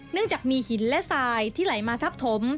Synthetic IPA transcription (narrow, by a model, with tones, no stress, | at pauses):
nɯ˥˩əŋt͡ɕaː˨˩k̚miː˧hi˩˦nlɛ˦˥saː˧jt̪ʰiː˥˩la˩˦jmaː˧t̪ʰa˦˥p̚t̪ʰo˩˦m